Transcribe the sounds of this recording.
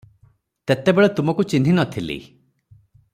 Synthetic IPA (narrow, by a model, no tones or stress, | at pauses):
t̪et̪ebeɭet̪umɔkut͡ʃinʱinɔt̪ʰilḭ